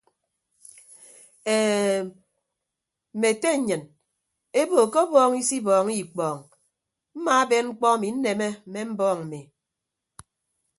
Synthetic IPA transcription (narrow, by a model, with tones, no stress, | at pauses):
e˨ | m̩˨me˨te˦˨ɲɨ˨n | e˦bo˨ko˦bɔː˦ŋi˦si˦bɔː˨ŋi˦˨k͡pɔː˨ŋ | m̩˦ma˨a˦be˦nŋ͡m̩˦k͡pɔ˦a˦˨mi˨˦n̩˦ne˨me˦m̩˨me˦m̩˦bɔː˦˨ŋm̩˨me˨